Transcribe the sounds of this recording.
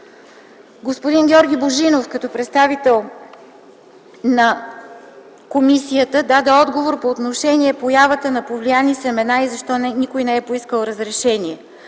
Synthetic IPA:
ɡospod̪inɡʲɔɾɡʲiboʒinofkət̪ɔpɾɛt̪st̪avit̪ɛlˠ | nɐ | komisiət̪əd̪ad̪ɛɔd̪ɡovoɾpoːt̪noʃɛniɛpojavət̪ənɐpovlijanisɛmɛnaizɐʃt̪ɔnnikojnɛɛpoiskəlˠɾəzɾɛʃɛniɛ

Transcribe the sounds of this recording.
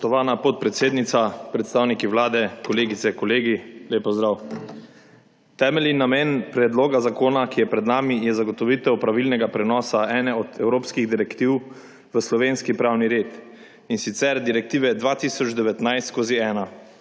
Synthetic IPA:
t̪ɔʋaːnapɔt̪̚pɾɛt̪seːd̪nit̪sapɾɛt̪st̪aːwnikiwlaːd̪ɛkɔleːɡit̪sɛkɔleːɡileːpːɔzd̪ɾaw | t̪ɛːmɛlinːamenpɾɛd̪loːɡazakoːnakijɛpɾɛd̪naːmijɛzaɡɔt̪ɔʋit̪ɛwpɾaʋilnɛɡapɾɛnɔːsaʔɛːnɛɔd̪ɛwɾoːpskiɣd̪iɾɛkt̪iw | ʋəslɔʋeːnskipɾaːwniɾeːt̪ | insit̪sɛɾd̪iɾɛk̚t̪iːʋɛd̪ʋat̪isɔd͡ʒd̪ɛʋɛt̪najst̪koːziɛːna

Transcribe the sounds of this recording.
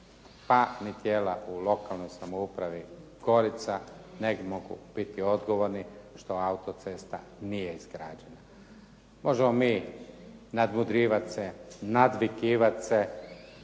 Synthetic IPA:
panit̪jeːlaʔulo̞kalnojsamoupɾaʋiɡ̥o̞ɾit̪saneɡmoɡṵb̥it̪io̞d̪ɡo̞ʋo̞ɾniʃt̪o̞aut̪o̞t̪se̞ːst̪a̰nijeizɡɾaːd͡ʒe̞na | mo̞ʒemomiː | nad̪mud̪ɾiːʋat̪senad̪ʋikiːʋat̪se

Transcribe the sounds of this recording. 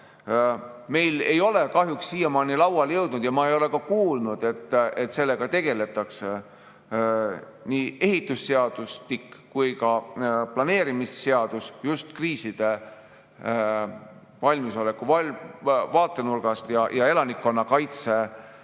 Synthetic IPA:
me̞jle̞jo̞le̞kɑɦjuksːiːjemɑːnilɑwɑljɤwd̪̥nud̪̥jɑmɑejo̞le̞kɑkuːlnud̪̥e̞t̪ːˑe̞t̪se̞lːe̞ɡ̥ɑt̪e̞ɡ̥e̞le̞t̪ːˑɑks | niːe̞ɦit̪ːˑusːe̞ɑd̪̥ust̪ikkujkɑplɑne̞ːɾimisːe̞ɑd̪̥usjust̪kriːsid̪̥e̞ | vɑlʲmiso̞le̞kːuvɑvɑːt̪ːˑe̞nurɡ̥ɑst̪jɑjɑe̞lɑnikːo̞nːɑkɑjt̪se̞

